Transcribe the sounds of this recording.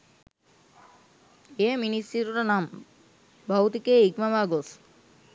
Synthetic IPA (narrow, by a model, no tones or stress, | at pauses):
eminisiɾuɾanam | bʱawt̪ikeiɡmamaɡos